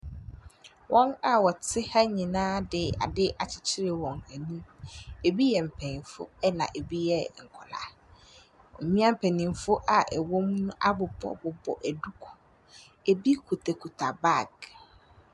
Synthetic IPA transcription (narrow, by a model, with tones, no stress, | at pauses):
wʔɔ̃˦na˨wɔ˨t͡sʰɪ˦ha˦ɲĩ˨nãː˦dɪ˨a̰˨dɪ˦ʔa˨t͡ɕʰɪ̥˨t͡ɕʰɪ˦ɾɪ˨wɔ̃˨ŋæ˨nũ˦e˨bi˦jɛ˨m̩˨pʰɛ̃˨n˨fʊ̰˦ɛ˦nã̰˨ʔe˨bi˦jɛ˦˨ŋ̩˨kʰɔ˨la̰˨ | ɔ̰˨mĩ˦ã˦m̩˨pʰæ˨nĩ˨m˨fʊ˦ʔa˨ʔɛ˨wɔ̃˦m˦nʊ̃˦ʔa˦bʊ˨bɔ̰˨bʊ˨bɔ̰˨ʔæ˨du˦kʰʊ̥˨ | e˨bi˦kʰu˨tʰɛ˨kʰu˨tʰa˨ba˦˨ɡ